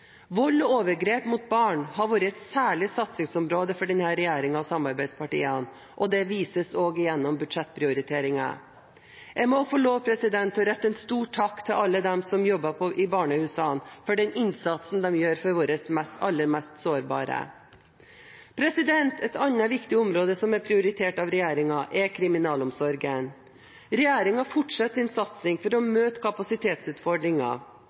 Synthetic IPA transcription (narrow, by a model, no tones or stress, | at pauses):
ʋɔlːoːʋəɾɡɾeːpmʊt̪̚bɑːɳɦɑɾʋoːɾəɛt̪sæːɭɪsɑt̪sɪŋsɔmɾoːd̪əfɔɖɛnhæɾɛjæːɾɪŋɑʋsɑmɑɾbæɪd̪spʰɑʈḭːən | ʔɔd̪ɛʋiːsəsoːɡɪjɛnːɔmbʉd̪ʂɛt̪ːpʰɾɪʊɾɪt̪ʰeːɾɪŋɑ̰ | jæɡmɔfɔɭoːpʰɾɛsɪd̪ɛnt̪ɔɾɛt̪ːəɛnst̪uːʈʰːɑkːt̪ʰɪlʔɑlːəd̪ɛmsɔmjɔbːɑpʰɔʔɪbɑːɳəhʉːsɑnfɔɖɛnɪnsɑt̪sn̩d̪ɛmjøːɾfɔɾʋoːɾəsmɛst̪ɑ̰lːəɾmɛst̪soːɾbɑ̰ːɾə̰ | pʰɾɛsɪd̪ɛnt̪ʰɛt̪ɑnːɑʋɪkt̪ɪɔmɾoːd̪əsɔmæpʰɾɪʊɾɪt̪ʰeːʈɑʋɾɛjæːɾɪŋɑʔɛkʰɾɪmɪnɑːlɔmsɔɾɡən | ɾɛjæːɾɪŋɑfɔʈʂɑt̪ːsɪnsɑt̪sɪŋfɔɾɔmøːt̪əkʰɑpɑsɪt̪ʰeːt̪sʉːt̪fɔɖɾɪŋɑ̰